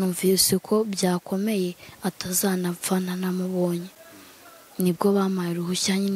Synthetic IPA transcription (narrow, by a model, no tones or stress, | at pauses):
uːɱvisikʰo̞bjaːko̞me̞je̞atazaːnafananamuβoːɲe | nibɡo̞βaːmajiɾuhuçaːɲin